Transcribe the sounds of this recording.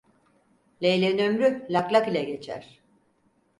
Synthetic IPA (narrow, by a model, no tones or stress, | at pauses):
lʲejlʲenømɾylʲaklʲˠakilʲɛɟe̞t͡ʃʰæ̰ɾ̥